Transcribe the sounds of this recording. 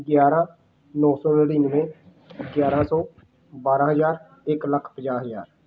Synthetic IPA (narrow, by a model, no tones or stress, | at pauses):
ɡjaːɾãː | nɔ̃ːsɔːnəɽiːnʋẽː | ɡjaːɾãːsɔː | baːɾãːɦəzaːɾ | ɪkləkʰpəd͡ʒaːɦəzaːɾ